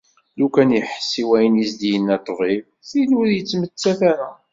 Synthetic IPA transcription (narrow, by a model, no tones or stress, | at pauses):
lukænjəħsːiwæjənisd̪ijənːæt̪ˤːviv | θiluɾjət͡sːmət͡sːæθæɾa